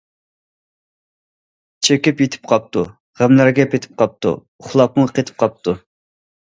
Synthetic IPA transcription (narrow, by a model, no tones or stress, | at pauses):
t͡ʃʰekʲipjet̪ʰɪ̥p̚qʰɑp̚t̪u | ʁæmlæɾɡʲɛpʰet̪ʰɪ̥p̚qʰɑp̚t̪ṵ | ʊχlˠɑp̚muqʰet̪ʰɪ̥p̚qʰɑp̚t̪ʰu